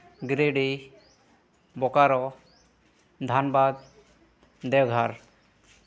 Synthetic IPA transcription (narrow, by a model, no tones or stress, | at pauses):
ɡɾeɖi | bɔkaɾɔ | d̪ʱanbad̪̚ | d̪ɛwɡʱaɾ